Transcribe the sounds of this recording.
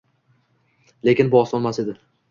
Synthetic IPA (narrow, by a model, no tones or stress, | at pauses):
le̞kʲɪnbʊɒsɒnmase̞d̪ɪ